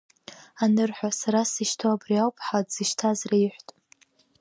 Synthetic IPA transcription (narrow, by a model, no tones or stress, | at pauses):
anɨrħʷᶣasaɾasiʃtʰoabriawpʰʼħadz̥iʃtʰazraiħʷtʼ